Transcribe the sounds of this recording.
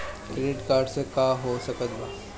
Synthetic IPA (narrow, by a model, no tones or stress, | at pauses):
kɾeɖiʈkaɾɖsekaɦosəkət̪ba̰